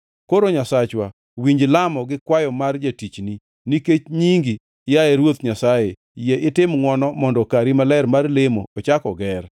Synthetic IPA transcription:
koɾoɲasat͡ʃwa | wiɲd͡ʒlamɔɡɪkwajɔmard͡ʒatit͡ʃni | niket͡ʃɲiŋɡi | jaɛɾwot̪ɲasaje | jeʔɪtɪmŋwɔnɔmɔndɔkaɾimalɛɾmarlemoːt͡ʃakɔɡɛr

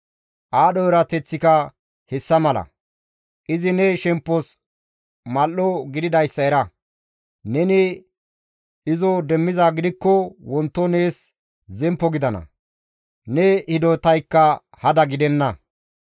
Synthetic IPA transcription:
ʔaːɗɔɛɾɐt̪ɛt͡sːɪkɐ | hɛsːɐmɐlɐ̰ | ʔɪzɪnɛʃɛmpːɔs | mɐlːɔɡɪd̪ɪd̪ɐjsːɐɛɾɐ | nɛnɪ | ɪzɔd̪ɛmːɪzaːɡɪd̪ɪkːɔwɔnt̪ːɔne̞ːs | zɛmpːɔɡɪd̪ɐnɐ̰ | nɛhɪd̪oːt̪ɐjkːɐ | hɐd̪ɐɡɪd̪ɛnːɐ

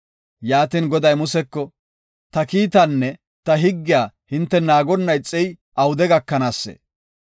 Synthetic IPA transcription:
jaːt̪inɡɔd̪ɐjmʊsɛkːɔ | t̪ɐkiːt̪ɐnːɛ | t̪ɐɦɪɡːɪjaːhɪnt̪ːɛnaːɡɔnːɐjt͡sʼːɛj | ʔɐwʊd̪ɛɡɐkːɐnaːsːḛː

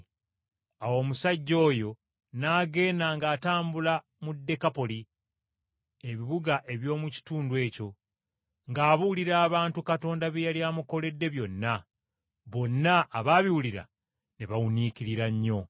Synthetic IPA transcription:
awo̞ːmusaɟːo̞ːjo̞ | naːɡe̞ːnaŋɡaːtaːmbula | mudːe̞kapo̞li | e̞βiβuɡaʔe̞βjo̞ːmuci̥tuːndwe̞ːco̞ | ŋɡaːβuliɾaːβaːntukato̞ːndaβejaliaːmuko̞le̞dːe̞βjo̞nːa | βo̞nːaʔːβaːβiwuliɾa̰ | neβawuniːciɾiɾaɲːo̞

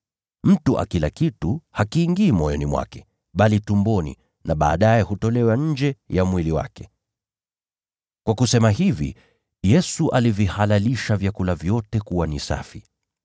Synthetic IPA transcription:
m̩tuʔa̰kilakituhakiːŋɡiːmɔjɔnimwa̰kɛ | ɓalitumbɔnḭ | naɓa̰ːɗajɛhutɔlɛwaɲ̩d͡ʒɛjamwiliwa̰kɛ̥ | kwakusɛmaɦivḭ | jɛsuʔalivihalaliʃavjakulavjɔtɛkuwanisa̰fi

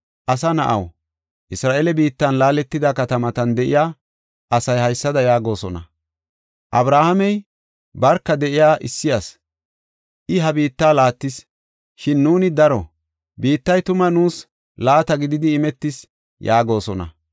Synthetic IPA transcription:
ʔɐsɐnɐ̰ʔɐ̰w | ʔɪsɾaːʔelɛbiːt̪ːɐnlaːlɛt̪ːɪd̪akɐt̪ɐmɐt̪ɐnd̪ɛʔɪ̰jaː | ʔɐsɐjhɐjsːɐd̪ɐjaːɡo̞ːsɔnɐ̰ | ʔɐbɾaːhɐmɛj | bɐɾkːɐd̪ɛʔɪjaːʔɪsːɪjɐs | ʔɪɦɐbiːt̪ːaːlaːt̪ːɪs | ʃɪnːuːnɪd̪ɐɾɔ | biːt̪ːɐjt̪ʊmɐnuːs | laːt̪ɐɡɪd̪ɪd̪ɪːmɛt̪ːɪs | jaːɡo̞ːsɔnɐ̰

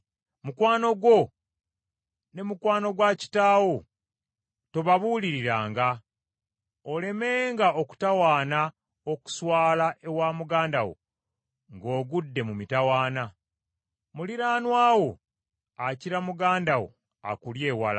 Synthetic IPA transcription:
mukwaːno̞ɡwo̞ | ne̞mukwaːno̞ɡwaci̥taːwo | toβaβuːliɾiɾaːŋɡa | ole̞me̞ːŋɡaoku̥tawaːna | oku̥swaːlaʔe̞waːmuɡaːndawo̰ | ŋɡo̞ːɡudːe̞mumitawaːna | muliɾaːnwaːwo̞ | aciɾamuɡaːndawo̰ | a̰kulje̞ːwa̰la

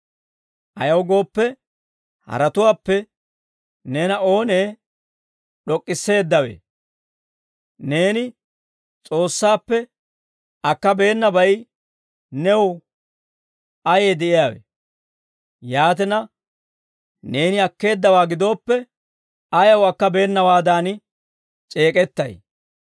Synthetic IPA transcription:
ʔɐjɐwɡo̞ːpːɛ | hɐ̰ɾɐt̪ʊwaːpːɛ | neːnɐo̞ːneː | ɗɔkʼːɪsːe̞ːd̪ːɐwḛː | ne̞ːnɪ | t͡sʼo̞ːsːaːpːɛ | ɐkːɐbe̞ːnːɐbɐj | nɛw | ɐjeːd̪ɛʔɪjaːwḛ | jaːt̪̬ɛnɐ | ne̞ːnɪɐkːe̞ːd̪ːɐwaːɡɪd̪o̞ːpːɛ | ɐjɐwɐkːɐbe̞ːnːɐwaːd̪aːn | t͡ʃʼe̞ːkʼɛt̪ːɐj

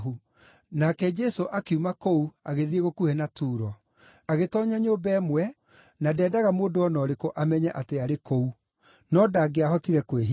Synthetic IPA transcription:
ɦu | nakɛd͡ʒɛsoʔakeumakouaɣeðieɣokuhenatuːɾɔ | aɣetɔːɲaɲoːbɛːmwɛ | nadɛːdaɣamoːdoɔnɔɾekoʔamɛɲɛʔateaɾekou | nɔːdaːɡeaɦɔtiɾɛkweɦ

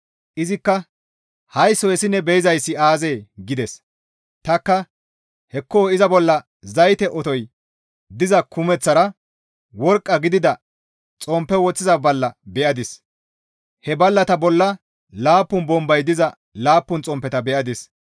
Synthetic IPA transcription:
ʔɪzɪkːɐ | hɐjsɔjɛsɪnːɛbɛjɪzɐjsːɪaːzeːɡɪd̪ɛs | t̪ɐkːɐ | hɛkːoːɪzɐbɔlːɐ | zɐjt̪ɛʔɔt̪ɔj | d̪ɪzɐkʊmɛt͡sːɐɾɐ | wɔɾkʼːɐɡɪd̪ɪd̪ɐ | t͡sʼɔmpːɛwɔt͡sːɪzɐbɐlːɐbɛʔɐd̪ɪs | hɛbɐlːɐt̪ɐbɔlːɐ | laːpːʊnbɔmbɐjd̪ɪzɐ | laːpːʊnt͡sʼɔmpːɛt̪ɐbɛʔɐd̪ɪs

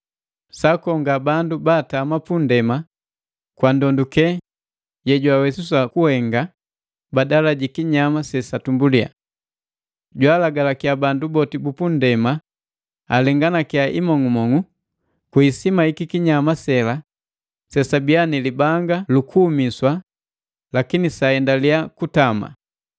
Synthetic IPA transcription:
sakɔŋɡabandubaːtaːmapundɛma | kwandɔndukɛ | jɛɟwawɛsusakuhɛŋɡa | badalaɟikiɲamasɛsatumbulia̰ | ɟwaːlaɡalakiabandubɔtibupundɛma | alɛŋɡanakiaʔimɔŋumɔŋu | kiisimaikikiɲamasɛla | sɛsabianilibaŋɡalukʰuːmiswa | lakinisaɛndaliakutama̰

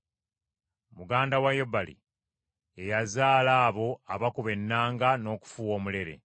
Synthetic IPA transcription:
muɡaːndawajebːalḭ | e̞jazaːlaːβo̞aβakuβe̞nːaːŋɡano̞ːku̥fuwo̞ːmule̞ɾe̞̰

